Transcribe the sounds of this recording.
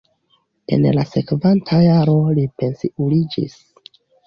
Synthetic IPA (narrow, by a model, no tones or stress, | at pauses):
e̞̰nlase̞kvantʰajaɾo̞lipe̞nsiʔulid͡ʒḭs